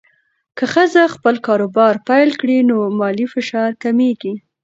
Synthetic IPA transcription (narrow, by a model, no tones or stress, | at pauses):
kəxəzaxpəlkɑɾobɑɾpajlkɽinomɑlifɪʃɑɾkameɡi